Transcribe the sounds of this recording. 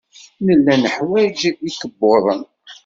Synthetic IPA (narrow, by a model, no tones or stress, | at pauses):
nəlːænəħwæd͡ʒikəbːoðˤən